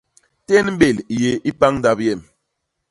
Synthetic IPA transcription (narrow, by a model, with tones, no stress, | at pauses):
tɛ˦nm̩˦ɓe˨lje˨i˦pa˦ŋ˦da˨pjɛ˦˨m